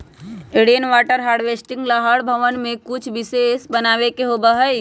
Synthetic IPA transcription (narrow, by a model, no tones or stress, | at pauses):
eɽijənʋaːʈəɾɦaːɾɖʋesʈɪ̃ŋɡlaɦəɽbʱəʋənmẽkʊt͡ʃʰʋɪseːsbənaːʋekeɦobəɦəi